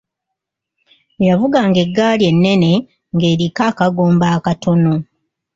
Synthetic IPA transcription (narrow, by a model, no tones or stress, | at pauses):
javuɡaŋɡe̞ɡːaːlje̞nːe̞ne̞ | ŋɡe̞ːɾikaːkaɡo̞ːmbaːkato̞no̞